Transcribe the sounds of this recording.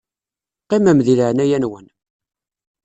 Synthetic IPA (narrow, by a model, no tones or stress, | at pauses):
qːimæmðiləʕnæjænwən